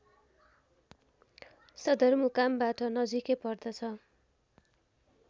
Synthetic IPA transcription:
sʌd̪ʱʌrmukambaʈʌnʌd͡zikepʌrd̪ʌt͡sʰʌ

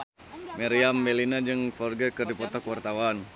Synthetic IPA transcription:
maɾiambɛlinad͡ʒɨŋfɔrɡəkɨrdipɔt̪ɔkwart̪awan

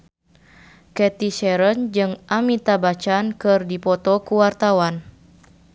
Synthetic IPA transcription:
kɛt̪iʃɛɾənd͡ʒɨŋʔamit̪abat͡ʃankɨrdipɔt̪ɔkuwart̪awan

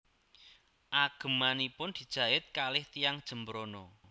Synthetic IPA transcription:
ʔaɡ̥ə̤manipʊnd̪̥i̤d̥ʒ̥ä̤ɪt̪̚kalɪht̪ijaŋd̥ʒ̥ə̤mbəɾonɔ

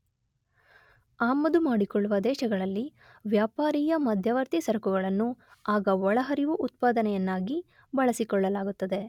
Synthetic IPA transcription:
aːmːɐd̪umaːɽikɔɭːuʋɐd̪ɛːʃɐɡɐɭɐlːi | ʋjaːpaːɾiːjɐmɐd̪ʱjɐʋɐɾt̪isɐɾɐkuɡɐɭɐnːuaːɡɐɔɭɐɦɐɾiʋuʔut̪̚paːd̪ɐnɛjɐnːaːɡi | bɐɭɐsikɔɭːɐlaːɡut̪ːɐd̪e̞

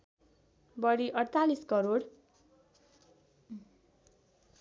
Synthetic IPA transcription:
bʌɽiʔʌɽt̪aliskʌɾoɽ

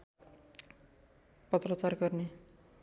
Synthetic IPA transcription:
pʌt̪rʌt͡sarɡʌrne

